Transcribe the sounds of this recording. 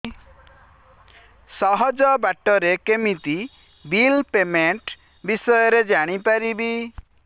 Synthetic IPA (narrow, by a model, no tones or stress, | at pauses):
sɔɦɔd͡ʒɔbaʈɔɾekemit̪i | bilpemeɳʈ | bisɔjɔɾed͡ʒaɽ̃ipaɾibi